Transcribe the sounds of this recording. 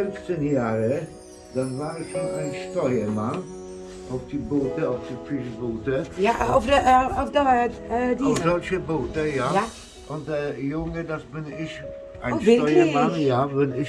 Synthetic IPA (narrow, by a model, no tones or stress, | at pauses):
ʏnft͡senjaːʁə | d̥asvaːɾɛsʃonaɪnʃtɔɪəman | ʔaʊfd̥iboːtəaʊfd̥ifɪʃboːtəjaafdafdadiaʊfdɔlɕəboːtəjaja | ʔʊndɛjʊŋədasbɪnɪç | ʔaɪnʃɪtɔjəmanjavɛnɪ